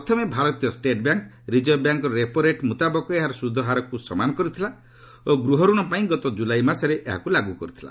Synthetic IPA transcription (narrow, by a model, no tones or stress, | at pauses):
pɔt̪ʰɔmebʱaɾɔt̪ijɔsʈeʈbjaŋk | ɾid͡ʒɔjɔbjaŋkɔɾɔɾepɔɾeʈmut̪abɔkɔeɦaɾɔsud̪ʱːɔɦaɾɔkusɔmanɔkɔɾut̪ʰila | oɡɾuɦɔɾuɽ̃ɔpaĩɡɔt̪ɔd͡ʒulajmaɾsɔɾeʔeɦa̰kulaɡukɔɾut̪ʰila̰